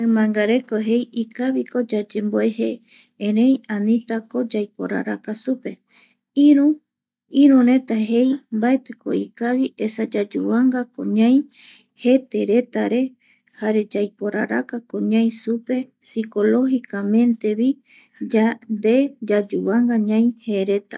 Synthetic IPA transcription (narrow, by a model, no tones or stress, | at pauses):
emãŋɡaɾe̞koɦe̞jikaβiko̞d͡ʒad͡ʒẽ̞mboe̞he | ẽɾẽ̞jãnĩt̪ako̞d͡ʒajpo̞̰ɾa̰ɾakasupe̞ | iɾu | iɾũɾẽ̞t̪aɦe̞jmbaet̪ɨko̞̰ikaβiʔe̞sad͡ʒad͡ʒṵβaŋɡako̰ɲãj | he̞t̪e̞ɾe̞t̪aɾe̞ | haɾe̞d͡ʒajpo̞ɾa̰ɾa̰kakõɲãj̃supe̞ | siko̞lo̞hikamẽ̞nt̪e̞βi | d͡ʒand̪e̞d͡ʒad͡ʒuβaŋɡaɲãj̃heːɾe̞t̪a